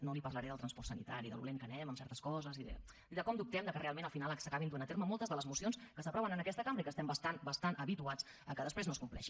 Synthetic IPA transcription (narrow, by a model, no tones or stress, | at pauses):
nolipərləɾɛðəlˠt̪ɾənspɔɾrtsənḭt̪aɾiðə̰lṵleŋkənɛməmsɛɾt̪əskɔzəziðə̰ | iðəkɔmd̪up̚t̪ɛmd̪əkərealˠmẽnəlˠfinalˠsəkaβind̪uenət̪eɾməmɔlˠt̪əzðələzmusionskəsəpɾɔβənənəkɛst̪əkambɾəikəst̪ɛmbəst̪anbəst̪anʔəβit̪uat͡s | əkəðəspɾeznoskumplɛ̰ʃi